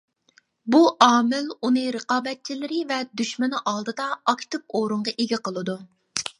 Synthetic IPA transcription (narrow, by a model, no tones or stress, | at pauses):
buʔɑːmɪlunɨɾəqɑːbɛt̪̚t͡ʃʰilɪɾɪvɛd̪yʃmɪnʔɑlˠd̪ɨd̪ɑɑkʲt̪ɨp̚oːɾuɴʁɑʔeɡʲiqəlˠɨd̪u